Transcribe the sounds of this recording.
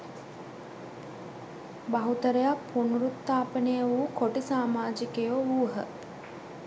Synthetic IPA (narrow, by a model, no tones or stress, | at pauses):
baɦut̪əɾejapʰːunuɾut̪ːaːpənejəʋukoʈisaːmaːd͡ʒikejoʋuːɦə̰